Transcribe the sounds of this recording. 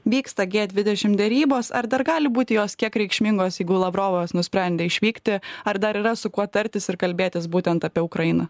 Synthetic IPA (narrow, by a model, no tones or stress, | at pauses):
ʋʲiːkst̪ɐɡʲeːd̪ʲʋʲɪd̪ʲɛʃʲɪmd̪ʲɛɾʲiːboːsɐ̰ɾd̪ɐɾɡɑːlʲɪbuːt̪ʲɪjoːskʲiɛkɾʲɛɪkʃʲmʲɪŋɡoːsjɛɪɡʊlˠɐʋɾoːʋoːsnʊsʲpʲɾʲæˑnʲd̪ʲeːɪʃʲʋʲiːkt̪ʲɪɐɾd̪ɐɾiːɾɐsʊkuɔt̪ɐɾʲt̪ʲɪsɪɾkɐlʲbʲeːt̪ʲɪsbuːt̪ʲɛnt̪ɐpʲiɛʊkɾɐɪnɐ